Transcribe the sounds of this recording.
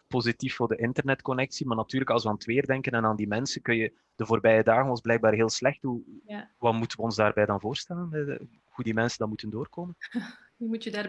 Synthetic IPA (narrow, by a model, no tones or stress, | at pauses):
pozitiffoːrdəʔɪntərnɛtkɔnɛksimaːrnɑtyːrləkɑlˠswəaːntʋeːrdɛŋkənɛnaːndimɛnsənkɵnjə | d̥əvoːrbɛjədaːɣənʋɑlˠzblɛjɡ̚baːrɦeːlˠslɛxthuʋɑmutənʋəɔnzdaːrbɛjdɑnvoːrstɛlənə | hudimɛnsəndɑnmutəndoːrkoːmən | umutədaː